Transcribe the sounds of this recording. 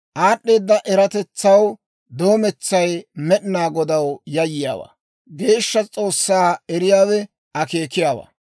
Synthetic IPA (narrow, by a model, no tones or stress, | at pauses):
ʔaːɗːeːd̪ːɐʔɛɾɐt̪ɛt͡sːɐw | d̪o̞ːmɛt͡sːɐjmɛɗɪnaːɡɔd̪ɐwjɐjɪja̰ːwa̰ | ɡe̞ːʃːɐt͡sʼo̞ːsːaːɛɾɪjaːwɛ | ɐke̞ːkɪjaːwɐ̰ː